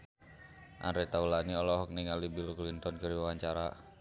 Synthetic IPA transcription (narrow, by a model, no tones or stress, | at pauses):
ʔa̰nɾɛt̪aulaniɔlɔɦɔk̚niŋalibilklint̪ɔnkəɾiwawaɲt͡ʃaɾa